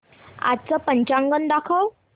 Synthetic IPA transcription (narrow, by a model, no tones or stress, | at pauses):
a̰t̪̚t͡səpəɲt͡ɕãŋɡənd̪akʰəw